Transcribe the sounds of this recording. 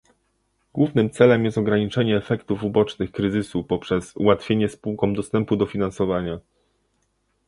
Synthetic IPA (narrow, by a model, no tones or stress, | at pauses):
ɡwuvnɘmt̪sɛlɛmjɛst̪ɔɡɾaɲit͡ʂɛɲɛːfɛkt̪ufubɔt͡ʂnɘxkɾɘzɘsupɔpʂɛsuwat̪fʲjeɲɛspuwkɔmd̪ɔst̪ɛmpud̪ɔfʲinansɔvaɲa